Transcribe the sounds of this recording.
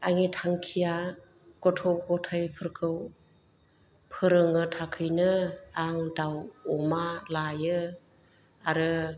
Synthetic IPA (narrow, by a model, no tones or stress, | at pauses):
aŋitʰaŋkʰija | ɡ̥ɔtʰɔp̚ɡɔtʰajpʰɯɾkʰɯw | pʰɯɾɯŋɯtʰakʰɯjnɯaŋdawɔmalajɯ | aɾɯ